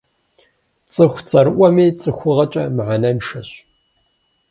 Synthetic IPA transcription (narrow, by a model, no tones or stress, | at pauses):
t͡sʼɨxʷt͡sʼɐɾɨʔʷɔmiːt͡sʼɨxʷʊʁɐt͡ʃʼɐmʕanɐnʂɐɕ